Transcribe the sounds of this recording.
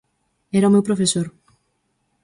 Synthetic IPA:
ɛɾaomewpɾofesoɾ

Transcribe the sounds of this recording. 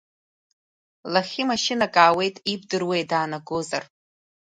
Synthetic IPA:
laχʲimaʃɪnakʼaːwe̞jtʼib̚dɨrwe̞jdaːnaɡozar

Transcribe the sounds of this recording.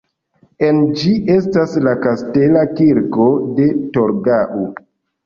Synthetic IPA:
e̞nd͡ʒiʔe̞staslakaste̞lakiɾko̞de̞toɾɡaʔu

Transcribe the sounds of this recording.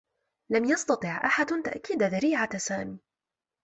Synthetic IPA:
lamjɑst̪ɑt̪ˤɨʕʔaħad̪t̪a̰ʔkiːd̪ðaɾiːʕasaːmiː

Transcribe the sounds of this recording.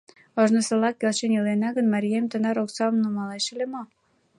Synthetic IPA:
oʒnosəlɑkːelʃenilenɑɣənmɑɾiemt̪ənɑɾoksɑmnumɑleʃelemo

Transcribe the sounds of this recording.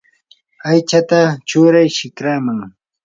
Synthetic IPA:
ajt͡ʃat̪at͡ʃʊɾajʃɪkɾamaŋ

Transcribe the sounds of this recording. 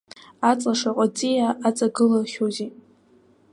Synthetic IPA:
at͡sʼlaʂaqʷʼat͡sʼijaːt͡sʼaɡɨlaχʲozi

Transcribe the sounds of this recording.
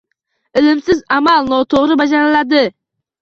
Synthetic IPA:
ɪlɪmsɪzamalˠnɔt̪ʰoʁɾɪbad͡ʒaɾɪlad̪ɪ

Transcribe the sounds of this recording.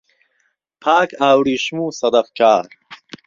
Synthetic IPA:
pʰaːkʰaːwɽiːʃmuːsɐd̪ɐfkʰaːɾ

